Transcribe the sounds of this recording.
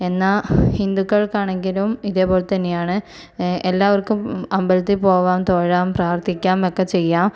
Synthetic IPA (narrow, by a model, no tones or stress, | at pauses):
e̞nːahind̪ukːɐɭkaːɳeŋɡilumiðeːpːo̞ːlt̪ɐnːejaːɳɨ | ʔelːaːʋɐrkumɐmbɐlɐt̪ːipo̞ːʋaːmt̪o̞ːɻaːmpraːrt̪ʰikʲːaːmokːet͡ɕe̞jːaːm